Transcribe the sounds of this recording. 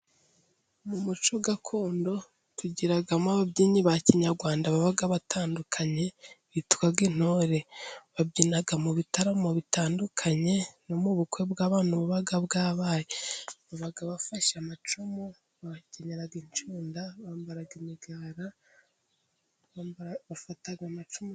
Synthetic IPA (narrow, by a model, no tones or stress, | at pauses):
mumut͡ʃo̞ɡakʰo̞ːndo̞ | tuɟiɾaɡamaβabɟiːɲiβaciɲaɾɡwaːndaβaβaɡaβatʰaːndukʰaɲe̞βitu̥kaɡɡin̥hoɾe̞βabɟinaɡamuβitaɾamoβitaːndukʰaɲe̞nomuβukwe̞bɡaːβaːnuβuβaɡabɡaːβajeβaβaɡaβafaʃamat͡ʃumo | βaceɲeɾaɡint͡ʃuːndaβaːmbaɾaɡimiɡaɾa | βafataɡamat͡ʃumo